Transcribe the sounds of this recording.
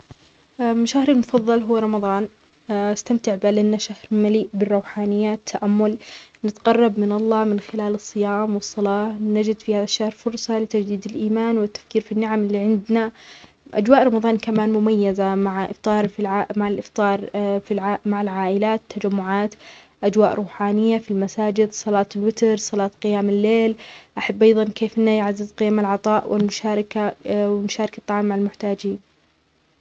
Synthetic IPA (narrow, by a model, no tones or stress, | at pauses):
ʔamɪʃahɾɪlmʊfɑðˤːɑlɦʊwːɾˤɑmɑðˤɑːn | ɪst̪amt̪ɪʕbalanːaʃahɾmaliːʔbɪrˤːɑwħaːnɪjːat̪ʰːaʔamːʊlnɪt̪qɑrˤːɑbmɪnɑlˤːɑːmɪnxɪlaːlɨsˤːɨjaːmwɨsˤːɑlɑːnad͡ʒɪd̪fihaːðaʃːahɾfʊɾˤsˤɑlɪt̪ad͡ʒd̪iːd̪ɪlʔiːmaːnwɪt̪ːḁfkiːɾfinːɪʕamɪlːiːʕɪnd̪na | ʔa̰d͡ʒwaːʔɾˤɑmɑðˤɑːnkamaːnmʊmajːazamaʕʔɪ̰ft̪ˤɑːɾˤfimaʕɪlʔɪft̪ˤɑːɾˤfilʕmaʕɪlʕaːʔɪlaːt̪ʰːad͡ʒamːʊʕaːt̪ | ʔad͡ʒwaːʔɾʔuːħaːnɪjːafilmasaːd͡ʒɪd̪sˤɑlɑːt̪lwɪt̪ɾsˤɑlɑːt̪qɪjaːmɪlːeːlʔaħabːʔɑjðˤɑnkeːfʔɪnːajʕazːɪzqɪjamɪlʕɑt̪ˤɑːʔwʔɪ̰lmʊʃaːɾɪkawɪnʊʃaːɾˤɪkat̪ˤːɑʕɑːmːaʕalmʊħt̪aːd͡ʒiːn